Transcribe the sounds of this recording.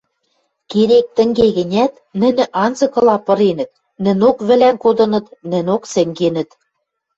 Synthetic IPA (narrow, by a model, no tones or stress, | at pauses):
keɾek̚t̪ɘ̆ŋɡeɣɘ̆nʲæt̪ | nɘ̆nʲɘ̆ʔɑnzɤ̆kɤ̆lɑpɤ̆ɾenɘ̆t̪̚ | nɘ̆nokβɘ̆lænkod̪ɤ̆nɤ̆t̪nɘ̆nʲoksɘ̆ŋɡenɘ̆t̪